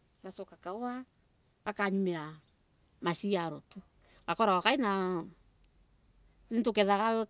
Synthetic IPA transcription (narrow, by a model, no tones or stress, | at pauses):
kasokakawa | kakaɲumea | masiaɾoto | kakoɾaakaina | nintokeðakae